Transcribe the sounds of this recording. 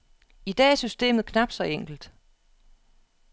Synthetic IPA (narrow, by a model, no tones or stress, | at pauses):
id̥ɛ̰ːæɐsysd̥e̝̰ːmð̩ˠkʰnɑ̈b̥d̥sɒ̽eŋ̰ɡ̥l̩d̥